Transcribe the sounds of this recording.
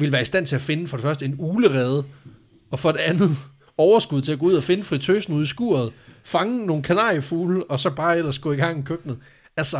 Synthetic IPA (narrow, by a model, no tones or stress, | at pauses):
ʋe̝lʋæːɐisd̥æn̰t͡sʰe̝æfe̝nəfɒ̽ɾefɶɐsd̥əe̝nuːləʁɛːð̞ˠ | ɒ̽fɒ̽d̥e̝ænð̩ˠ | ɒʊɐsɡ̥uð̞̰ˠt͡sʰe̝æɡ̥ɔ̽uð̰ˠɐfe̝nəfʁit͡sʰøːsn̩uðˠisɡ̥ṵɐð̞̩ˠfɑ̈ŋəno̝ːn̩kʰænɑ̰̈ːjəfuːlɒ̽sɒ̽b̥ɑ̈ːel̰ɐsɡ̥ɔ̰ːiɡ̥ɑ̈ŋ̰ikʰøɡ̥nð̩ˠ | æsɐ